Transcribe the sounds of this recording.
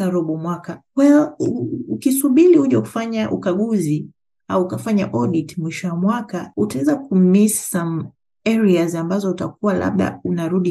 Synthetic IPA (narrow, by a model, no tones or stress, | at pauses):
aɾɔɓɔmwakakwaijɔuukisuɓilihuʄaku̥faɲaʔṵkaɠuzi | auːkafaɲa̰ʔɔɗitmwiʃɔwamwakautaɛzakum̩missam | ɛɾiazambazɔutakuwala̰ɓɗa̰unaɾuɗi